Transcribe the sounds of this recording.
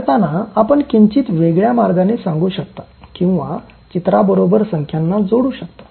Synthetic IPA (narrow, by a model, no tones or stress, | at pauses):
t̪anaapəɳkiɲt͡ɕiːt̪ʋeɡɭjamaɾɡanesãŋɡuːɕəkt̪ḁkĩw̃ʋa̰ | t͡ɕit̪ɾabəɾobəɾsəŋkʰjanːad͡zoɽuːɕək̚t̪ḁ